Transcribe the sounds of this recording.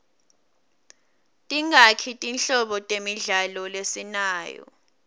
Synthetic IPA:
tʼiŋakʰitʼinɬɔɓɔtʼemiɮalɔlesinaːjɔ̰

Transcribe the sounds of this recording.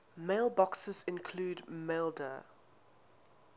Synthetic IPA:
meɪlˠbɔksəzɪ̃nkʰl̥uːdmelˠdə

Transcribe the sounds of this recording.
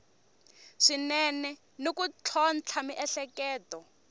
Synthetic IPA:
ʂinɛnɛ | nokut͡ɬʰɔnt͡ɬʰamiʔɛɬɛkɛːtɔ

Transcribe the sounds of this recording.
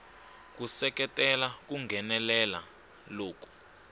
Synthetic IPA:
k̬usɛk̬ʼɛtʼɛlak̬uŋɡʱɛnɛlɛla̰ | loːk̬ʼu̥

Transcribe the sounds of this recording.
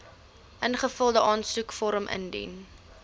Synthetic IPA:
ʔənχəfəlˠdəʔɑːnsukfɔɾəmʔə̰ndḭn

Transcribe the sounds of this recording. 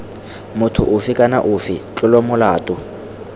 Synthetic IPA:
mʊtʰʊʔʊfɪkʼana̰ʔʊfɪt͡ɬʼɪlɔmʊlaːtʼʊ

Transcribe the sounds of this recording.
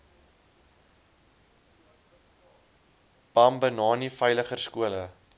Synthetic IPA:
b̥ɐmbənɑːnifəjləχərskuələ

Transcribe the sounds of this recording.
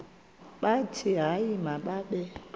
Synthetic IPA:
ɓatʰiɦajimaɓaɓɛ

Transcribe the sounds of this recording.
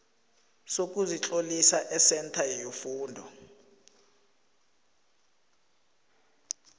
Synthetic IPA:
sok̬ʼuzit͡ɬʼolisaʔɛsɛntʰajofuːndʱɔ

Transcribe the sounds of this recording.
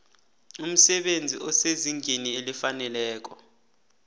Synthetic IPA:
um̩sɛɓend͡zʱiʔɔseziŋʱenielifanɛlɛːk̬ɔ

